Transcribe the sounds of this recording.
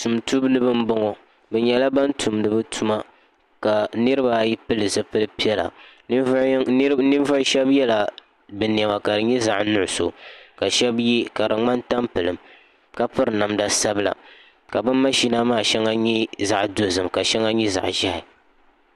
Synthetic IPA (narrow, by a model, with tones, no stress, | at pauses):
tu˨mtu˦bnɨ˦bɨ˦m˦bɔ˦ŋɔ˨ | bɛ˨ɲɛ˦la˦ba˦ntʰu˨mnɨ˨bɨ˦tʰu˦ma˦ | ka˨nɨ˦ɾɨ˦ba˨˦ji˦pɨ˦lɨ˨zɨ˦˨pɨ˦lɨ˦pi˦ɛ˦la̰˨˦ | nɨ˦vʊ˦ʃɛ˦bjɛ˦la˨ | bɨ˨ni˨ɛ˨ma˨ka˨dɨ˨ɲɛ˦za˨ʔnʊ˦˨ʊ˨so˨ka˨ʃɛ˦bji˦ka˨ɾɨ˨ŋ͡ma˦nta˦mpɨ˨lɨ˨m | ka˦pɨ˦ɾɨ˨na˨mda˨sa˦bɨ˦la̰˨ | ka˨bɨ˦nːa˦ʃi˦na˦maː˦˨ʃɛ˦ŋa˦ɲɛ˦za˨ʔdo˨zɨ˨mka˨ʃɛ˦ŋa˦ɲɛ˦za̰˨ʔʒa˦hɪ˨